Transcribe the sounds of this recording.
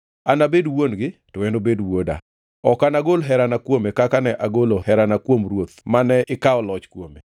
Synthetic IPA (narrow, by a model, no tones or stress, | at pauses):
anabedwonɡɪtowɛndobedwoda̰ | ɔkanaɡolɦɛɾanakwomekakanɛʔaɡolohɛɾanakwomɾwot̪manɛʔɪkaɔlɔt͡ʃkwomḛ